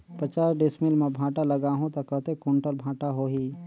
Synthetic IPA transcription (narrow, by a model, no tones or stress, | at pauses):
pət͡ʃaːɾɖɪsmɪlmẽbʱãːʈaləɡaːɦũt̪ɐkəɦt̪ekoːɳʈəlbʱãːʈaɦoːɦiː